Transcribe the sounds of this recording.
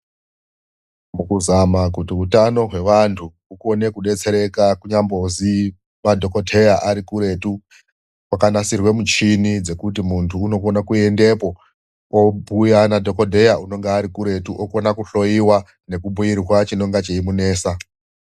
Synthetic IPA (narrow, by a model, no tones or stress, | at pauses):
mukuzamakutiutano̞ɦwe̞ʋantʰu | uko̞ne̞kuɗe̞t͡se̞ɾe̞kakuɲambo̞zi | madʱo̞ko̞dʱe̞jaʔaɾikuɾe̞tu | wakanasirwe̞mut͡ʃinid͡ze̞kutimuntʰuːno̞konakue̞nde̞po̞ | obʱujanadʱo̞ko̞dʱe̞jauno̞ŋɡeaɾikuɾe̞tuʔokonakuɬo̞jiwa | ne̞kubʱujirwat͡ʃino̞ŋɡat͡ʃeimune̞ːsa